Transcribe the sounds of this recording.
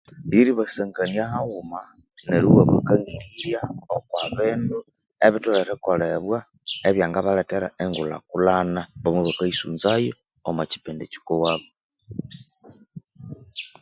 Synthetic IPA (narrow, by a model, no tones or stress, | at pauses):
βiɾiβaseŋɡaniahaɣuma | neɾuwaβakaŋɡiɾiɾjaokwaβiːndu | eβituleɾekoleβwa | eβjaːŋɡaβaleteɾaeŋɡula̰kulanaβomwuβakaisṵːnzajo | omaci̥peːndeci̥kowaβo